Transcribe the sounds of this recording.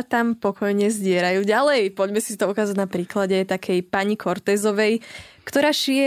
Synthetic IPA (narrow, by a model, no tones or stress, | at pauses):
t̪ampɔkʰɔjɲɛzɟɪɛɾajuːɟalɛjpɔɟmɛsit̪ɔukaːzaɟnapɾiːklaɟɛt̪akʰɛjpaɲikʰɔɾt̪ɛːzɔʋɛjkt̪ɔɾaːʃijɛ